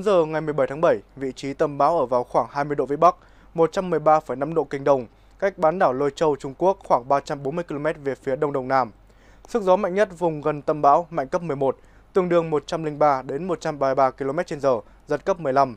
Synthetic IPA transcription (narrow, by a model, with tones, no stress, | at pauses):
u˨˦nzəː˨˩ŋa˨˩jmɨ˨˩əjɓə˧˩jt̪ʰa˨˦ɓə˧˩jvḭ˧˨t͡ɕi˨˦t̪ə˨˧˩mɓaː˨˦wʔəː˧˩vaː˨˩wxwaː˧˩ŋhaː˧jmɨ˧əjɗo̰˧˨vḭ˧˥ɓa˦˥k̚ | mo˨˩t̚t͡ɕa˧mːɨ˨˩əjɓaː˧fə˧˩jna˨˧˦mɗo̰˧˨kï˨˩ŋ̟ɗə˨˧˩wŋ͡m | ka˦˥jk̟̚ɓaː˨˦nɗaː˧˩wlo˧jt͡ɕə˧wt͡ɕʊ˧ŋ͡mku˦˥ək̚xwaː˧˩ŋɓaː˧t͡ɕa˧mɓo˨˦nmɨ˧əki˧lo˧mɛ˦˥t̚ve˨˩fi˨˦əɗə˧wŋ͡mɗə˨˩wŋ͡mnaː˧m | sɨ˦˥ək̚zɔ˨˦ma̰˧˨jŋ̟ɲə˦˥t̚vʊ˨˩ŋ͡mɣə˨˩nt̪ə˧˩mɓa̰ː˧˦wma̰˧˨jŋ̟kə˦˥p̚m˨˩əjmo˨˩t̚ | t̪ɨ˧˩əŋɗɨ˨˩əŋmo˨˩t̚t͡ɕa˧mlï˧ŋ̟ɓaː˧ɗe˨˦nmo˨˩t̚t͡ɕa˧mɓaː˧ɓaː˧ki˧lo˧mɛ˦˥t̚t͡ɕe˧nzəː˨˩ | zə˦˥t̚kə˦˥p̚mɨ˨˩əjla˧m